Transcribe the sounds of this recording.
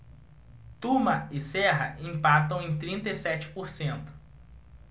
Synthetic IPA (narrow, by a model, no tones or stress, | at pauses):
t̪umɐɪsɛɦɐĩpat̪ɐ̃w̃ẽj̃t̪ɾĩnt̪ɐisɛt͡ʃɪ̥poɾsẽnt̪ʊ̥